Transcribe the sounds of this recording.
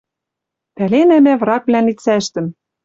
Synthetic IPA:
pælenæmævrɑkβlænit͡sæʃt̪ɘ̆m

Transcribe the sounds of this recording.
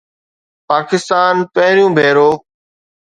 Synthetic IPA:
paːkɪst̪aːnpəɦɾijũːbʱeːɾoː

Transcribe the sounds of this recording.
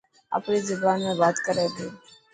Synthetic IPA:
a̰pɳizɪbaːnmẽbaːt̪kəɾet̪ʰe

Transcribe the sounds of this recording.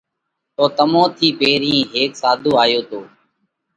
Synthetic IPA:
t̪oːt̪əmõːt̪ʰiːpeːɾĩːɦeːksaːd̪ʱuːaːjoːt̪ʰoː

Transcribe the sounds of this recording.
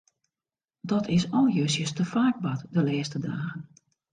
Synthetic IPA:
dɔtʰɪsɔlˠjøsjəstəfaːɡ̚batdəlɛːstədaːɣən

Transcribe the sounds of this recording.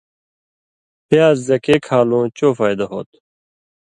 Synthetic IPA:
pjaːzzɐkeːkʰaːlõːt͡ɕoːfaːjd̪ɐɦo̰ːt̪

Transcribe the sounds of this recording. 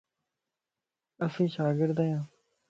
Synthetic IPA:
əsĩːʃaːɡɪɾd̪jãː

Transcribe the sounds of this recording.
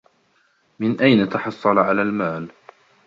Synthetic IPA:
mɪnʔajnat̪ɑħɑsˤːɑlʕalaːlmaːl

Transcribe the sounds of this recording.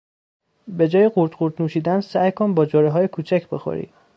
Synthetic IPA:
be̞d͡ʒɒːjeɢuɾd̪ɢuɾd̪nuːʃiːd̪ænsæjkʰonbɒːd͡ʒoːɾeɦɒːjekʰuːt͡ʃʰæcʰbe̞xo̰ɾḭː

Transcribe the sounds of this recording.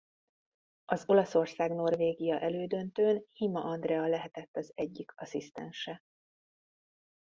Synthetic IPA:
ɒzo̞lɒso̞rsaːɡno̞rveːɡijɒʔɛløːd̪ø̞nt̪øːnhimɒʔɒnd̪rɛɒlɛɦɛt̪ɛt̪ːɒzɛɟːikɒsist̪ɛ̰nʃɛ

